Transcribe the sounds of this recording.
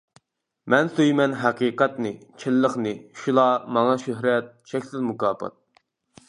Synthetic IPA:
mɛnsøjmɛnɦɑqiːqɑt̪nɨt͡ʃʰɪlːəχnɨʃulˠɑmɑŋɑʃøɦɾɛt̪̚ʃɛkʲsɪlmukɑːpʰɑ̰t̪̚

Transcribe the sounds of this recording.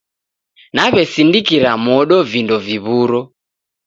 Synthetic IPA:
naβɛsindikiɾamɔɗɔvindɔviβuɾɔ

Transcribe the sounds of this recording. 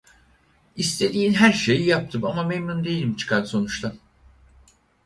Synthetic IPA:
ist̪ʰe̞d̪iːnɦæɾʃe̞jijap̚t̪ʰɯmamamemnund̪e̞jilʲimt͡ʃʰɯ̥kʰaɾso̞nut͡ʃt̪ˠam

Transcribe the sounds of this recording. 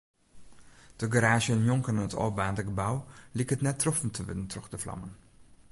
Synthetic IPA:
d̥əɡaɾaːʒəənjɔŋkənɪnətɔ̰ːbaːndəɡəbawlɪkətnɛtːrɔfəntʰəʋɪ̰dəntrɔχdəflɑ̰mən

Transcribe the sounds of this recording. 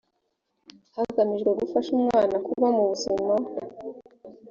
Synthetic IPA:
haɡamiʒɡwe̞ɡufaʃumŋaːnakuβamuβuzuno

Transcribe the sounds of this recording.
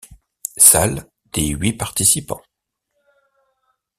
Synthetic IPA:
sal | d̪̥eɥipaʁt̪isipɑ̰̃

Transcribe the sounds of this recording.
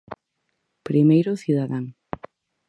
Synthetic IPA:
pɾimejɾʊθiðaðaŋ

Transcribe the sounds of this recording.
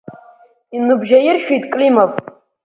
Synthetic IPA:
inɨbʒajɪrʃᶣijtʼkʼlimavʼ

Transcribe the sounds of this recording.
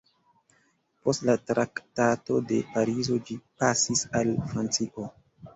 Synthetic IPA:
po̞stlatɾaktato̞de̞paɾizo̞d͡ʒipasisalfɾant͡siʔo̞

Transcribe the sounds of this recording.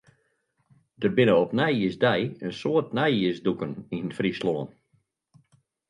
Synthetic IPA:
d̥ərbɪnəɔpnɛjiəzdɛjənsoətnɛjiəsdukəninfrisloːn

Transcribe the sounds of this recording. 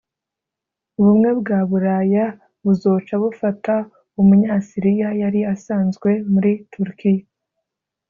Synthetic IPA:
uβumŋe̞bɡaːβuɾaja | βuzo̞ːt͡ʃaβufata | umuɲaːsiɾijajaɾiasaːnzɡwe̞muɾitʰuɾikija

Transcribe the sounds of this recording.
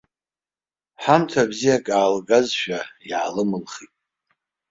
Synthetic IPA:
ħamtʰabzijakʼaːlɡazʃᶣajʕalɨmɨlχitʼ

